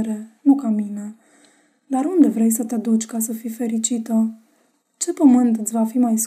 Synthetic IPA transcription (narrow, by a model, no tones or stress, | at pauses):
ɾe̞nukamine | d̪aɾund̪e̞vɾe̞jsət̪ead̪ut͡ʃʲkasəfife̞ɾit͡ʃit̪ə | t͡ʃe̞pəmɨnt̪ɨt̪ʲvafimajs